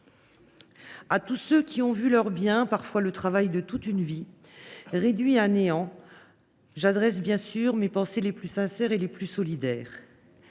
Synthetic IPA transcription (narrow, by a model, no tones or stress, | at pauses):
at̪usøkʲiɔ̃vylœʁbjɛ̃paʁfwalət̪χavajd̪ət̪ut̪ynvi | ʁed̪ɥiãneɑ̃ | ʒad̪ʁɛs̬bjɛ̃syʁmepɑ̃seleplysɛ̃sɛʁeleplysɔlid̪ɛːʁ